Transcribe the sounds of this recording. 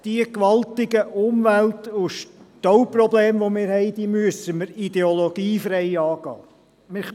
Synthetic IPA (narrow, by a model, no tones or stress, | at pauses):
d̥iəkʋɑlt̪ɪɡəʔʊmʋæltʊʃtowprɔbleːmʋomɪːɾhɛɪd̥̪iːmyəsəməɾid̪eoloɡ̥iːfɾɛɪɑːɡ̥ɑ̰ː | mɪ